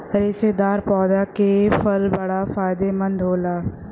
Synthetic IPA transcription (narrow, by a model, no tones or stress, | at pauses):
ɾɪːsed̪aːɾpɔːd̪akefɐlbɐɽafaːjd̪emɐ̃nd̪ʱɦoːlaː